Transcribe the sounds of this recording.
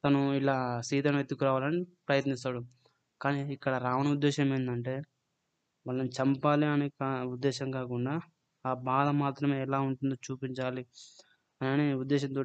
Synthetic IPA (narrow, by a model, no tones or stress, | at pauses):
t̪ɐnuilaːsiːd̪ɐnɐet̪ːukːuɾaːʋaːlɐnipɾɐjɐt̪nist̪aːɽu | kaːniikːɐɽɐɾaːʋɐnɐud̪ːɛːʃɐmɐjnd̪ɐɳʈe̞ː | ʋɐːlːɐnit͡ʃɐmpaːliɐnikaːud̪ːɛːʃɐmkaːkuɳɖaː | aːbaːd̪ɐmaːt̪ɾɐme̞ːɛlaːuɳʈund̪ot͡ʃuːpiɲt͡ʃaːli | ɐnniud̪ːɛːʃ̬ɐnt̪̬o̞ː